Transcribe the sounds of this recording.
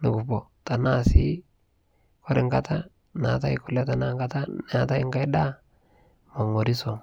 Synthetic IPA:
nɪ˨kʊ˨po˨ta˨na˦sɪ˦ | kɔ˦ɾɪ˦ŋɡa˦ta˦ | na˨ta˦ɪ˦kʊ˦lɛ˦ta˨na˦ŋɡa˦ta˦na˨ta˦ɪ˦ŋɡa˦jda˦ | mo˨ŋo˨ɾi˦so˨

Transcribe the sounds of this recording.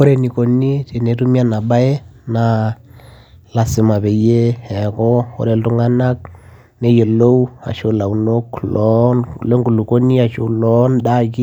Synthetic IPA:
o˦ɾe˨ni˨ko˨ni˦te˨ne˨˦tu˦mi˦a˦na˨ɓa˦e˦na˨ | la˨sɪ˨ma˨βe˨je˦hɛ˨kɔ˦o̰˦ɾe˨ltu˦ŋa˦na˦k̚ | ne˦je˨lo˦u˦a̰˨ʃo˦la˨u˨no˦klɔ˦nle˦ŋɡu˨lu˨ko˦ni˦a˨ʃo˦lɔ˦nɗa˦ki˦

